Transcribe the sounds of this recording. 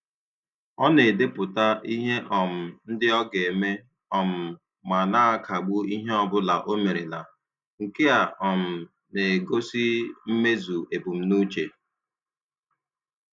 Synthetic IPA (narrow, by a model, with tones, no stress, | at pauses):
ɔ˦ne˨de˦pʊ˨ta˦i˦ɦe˦ʔɔ˨m̩˨n̩˦dɪ˦ɔ˦ɡe˨me˦ | ɔ˨m̩˨ | ma˨na˦a˦kʰa˨ɡ͡bu˦i˦ɦe˦ɔ˦bʊ˦la˨ʔo˦me˨ɾe˨la̰˨ | ŋ̩˨ke˦a˨ɔ˨m̩˨ | ne˨ɡo˦si˦m̩˦me˦zu˨e˨pu˨m̩˦nu˦t͡ʃe˨